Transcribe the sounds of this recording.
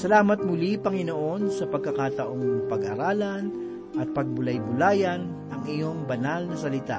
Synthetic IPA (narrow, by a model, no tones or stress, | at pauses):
sɐlaːmɐt̪̚mʊlipɐŋɪnoʔo̞nsɐpɐɡ̚kɐkat̪ɐʔo̞ŋpɐɡʔa̰ɾaːlɐn | ʔɐt̪̚pɐɡ̚bʊlajbʊlaːjɐn | ʔɐŋɪjo̞ŋbɐnalnɐsɐlɪt̪a̰